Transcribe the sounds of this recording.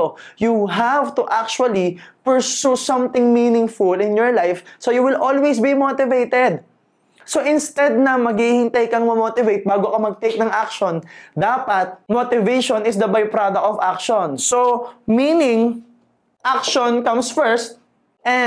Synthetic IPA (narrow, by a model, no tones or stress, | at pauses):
juɦavt̪ʊʔak̚t͡ʃuɐlipəɹsusɐ̃mt̪ɪ̃ŋminɪ̃ŋfʊlɪ̃njɔɹlajfsojuwɪlʔolwejsbimoːt̪ɪvejt̪ɛd̪̚ | soʔɪ̃nst̪ɛd̪̚nɐmɐɡhihɪ̃nt̪ajkɐŋmɐmot̪ɪvejt̪̚baːɡokɐmɐɡ̚t̪ejk̚nɐŋʔak̚ʃɔnd̪aːpɐt̪̚mot̪ɪvejʃɔ̃nɪsd̪ɐbajpɾad̪ɐk̚t̪ɔvakʃɔ̃nsominɪŋ | ʔak̚ʃɔnkɐ̃msfɛɹst̪̚ | ʔɛ̃